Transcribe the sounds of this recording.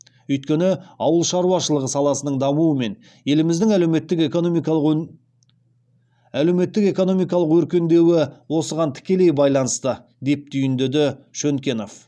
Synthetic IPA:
ʏjt̪̚kʲe̞nɪɑwəlˠʃɑɾuwɑʃəlˠəʁəsɑlˠɑsənəɴd̪ɑmuəme̞n | je̞lɪmɪzd̪ɪŋæleme̞t̪ːɪkekomˠ | æle̞wme̞t̪ːɪke̞ko̞no̞mijkɑlˠəqwɵɾkʲe̞nd̪e̞wɪwo̞səʁɑnt̪ʰɪ̥kʲe̞le̞jbɑjlˠɑnəst̪ə | d̪e̞p̚t̪ʰʏjɪnd̪ed̪ɪʃɵŋkʲe̞no̞f

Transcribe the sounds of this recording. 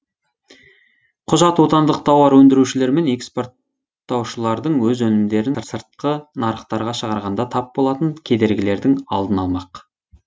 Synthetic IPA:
qʰʊʒɑt̪wo̞t̪ɑnd̪əq̚t̪ʰɑwɑɾwɵnd̪ɪɾuʃɪle̞ɾme̞nekspo̞rt̪ː | ɑwʃəlˠɑɾd̪əɴwɵzwɵnɪmd̪e̞ɾɪnsəɾt̪̚qənɑɾəχt̪ɑɾʁɑʃəʁɑɾʁɑnd̪ɑt̪ʰɑp̚bolˠɑt̪əŋkʲʰe̞d̪e̞ɾɡʲɪle̞ɾd̪ɪŋɑ̰lˠd̪ənɑlˠmɑq

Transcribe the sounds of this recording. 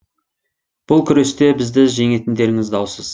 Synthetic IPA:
b̥ʊlˠkʲʰʏɾe̞st̪e̞bɪzd̪ɪʒe̞ŋe̞t̪ɪnd̪e̞ɾɪŋɪzd̪ɑwsəz̥

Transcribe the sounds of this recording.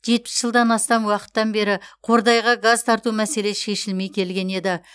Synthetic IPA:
ʒe̞t̪̚pɪ̥sʒəlˠd̪ɑnɑst̪ɑmwɑqə̥t̪ːɑnbe̞ɾɪqʰo̞ɾd̪ɑjʁɑɡazt̪ʰɑɾt̪umæse̞le̞sʃe̞ʃɪlme̞jkʲʰe̞lɡʲe̞ne̞d̪ɪ

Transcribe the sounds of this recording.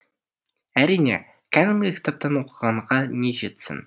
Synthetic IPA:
æɾijnḛ | kʲʰanɪmlʲɪkʲʰɪ̥t̪ap̚t̪ɑnwo̞qəʁɑɴʁɑne̞ʒe̞t̪sɪ̰n

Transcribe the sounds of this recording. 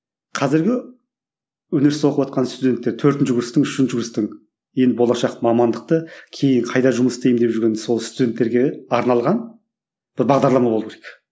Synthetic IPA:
qʰɑzɪɾɡʲɪ | wɵne̞ɾst̪wo̞qəpwɑt̪qɑnst̪ud̪ʲe̞nt̪ːeɾt̪ʰɵɾt̪ɪnʃɪɡʊɾɪst̪əŋʏʃɪnʃɪɡʊɾɪst̪ɪŋ | je̞nd̪ɪbo̞lˠɑʃɑqmɑmɑnd̪əq̚t̪əkʲʰe̞jɪɴqʰɑjd̪ɑʒʊməsst̪e̞jmd̪e̞pʒʏɾɡʲe̞nso̞lˠst̪ud̪ʲe̞nt̪ːe̞ɾɡʲe̞ɑɾnɑlˠʁɑn | b̥ɪɾbɑʁd̪ɑɾlˠɑmɑbolˠəpkʲʰeɾek

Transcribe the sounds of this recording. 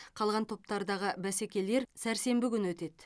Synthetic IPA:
qʰɑlˠʁɑnt̪ʰo̞p̚t̪ɑɾd̪ɑʁəbæsekʲe̞le̞ɾsæɾse̞mbɪkʲʏnwɵt̪e̞d̪̥

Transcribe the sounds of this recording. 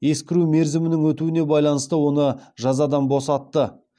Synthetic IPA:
je̞skʲɪɾume̞ɾzɪmɪnɪŋwɵt̪uɪne̞bɑjlˠɑnəst̪əwo̞nəʒɑzɑd̪ɑnbo̞sɑt̪ːə

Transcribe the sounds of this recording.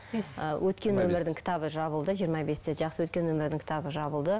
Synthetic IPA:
əwʔɵt̪kʲe̞nwɵmɪɾd̪ɪŋkʲʰɪ̥t̪ɑβəʒɑβəlˠd̪əʒijəɾmɑbe̞st̪e̞ʒɑqsəwɵt̪kʲe̞nwɵmɪɾd̪ɪŋkʲʰɪ̥t̪ʰɑbəʒɑbəlˠd̪ə

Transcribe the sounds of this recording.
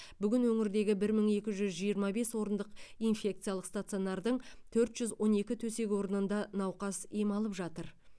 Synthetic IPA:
bʏɡʲɪnwɵŋɪɾd̪e̞ɡʲɪbɪɾməɴe̞kʲɪʒʏzʒijəɾmɑbe̞swo̞ɾənd̪əqijnfʲe̞k̚t̪sɨjalˠəqst̪at̪sɨjo̞nɑɾd̪əɴt̪ʰɵɾt̪ʒ̥ʏzwo̞ne̞kʲɪt̪ʰɵse̞ɡʲwo̞ɾənənd̪ɑnɑwqɑsijmɑlˠəpʒɑt̪əɾ

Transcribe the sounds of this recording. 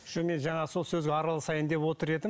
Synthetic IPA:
ʃəmenʒɑɴɑso̞lˠsɵzɡʲeɑɾəlˠəsɑjənd̪e̞pwo̞t̪əɾe̞d̪ɪ

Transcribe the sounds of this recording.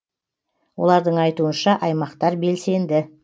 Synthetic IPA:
wo̞̰lˠɑɾd̪əɴɑjt̪uənʃɑʔɑjmɑqt̪ɑɾbe̞lse̞nd̪ɪ

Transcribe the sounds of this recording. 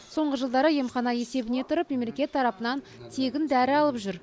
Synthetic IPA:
so̞ɴʁəʒəlˠd̪ɑɾəje̞mχɑnɑje̞se̞bɪne̞t̪ʰʊɾəpme̞melekʲe̞t̪ʰːɑɾɑpənɑn | t̪ʰe̞ɡʲɪnd̪æɾɪɑlˠəpʒʏɾ

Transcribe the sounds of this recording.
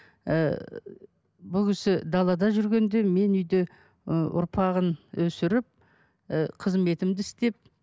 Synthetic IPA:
ə̰ | bʊkʲʰɪsɪd̪ɑlˠɑd̪ɑʒʏɾɡʲe̞nd̪e̞me̞nʏjd̪ɪ | ʔʊ̰ɾpʰɑʁənwɵsɪɾɪp̚ | qʰəzme̞t̪ɪmd̪ɪɪst̪e̞p̚

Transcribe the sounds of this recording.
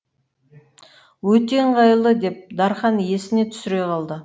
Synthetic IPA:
wɵt̪e̞ɴʁɑjəlˠd̪əd̪e̞p̚d̪ɑɾχɑnje̞sɪne̞t̪ʰʏ̥sɪɾe̞jqɑlˠd̪ə

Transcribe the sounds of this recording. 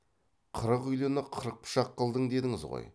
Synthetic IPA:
qʰəɾəqʏjlˠɪnəqʰəɾəq̚pʰʊ̥ʃɑqːəlˠd̪əɴd̪e̞d̪ɪŋɪzʁo̰j

